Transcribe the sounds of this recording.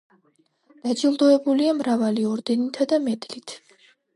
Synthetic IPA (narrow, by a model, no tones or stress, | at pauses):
d̪̥ad͡ʒilˠd̪ɔɛbuliamɾavaliɔɾd̪ɛnit̪ʰad̪amɛd̪lit̪ʰ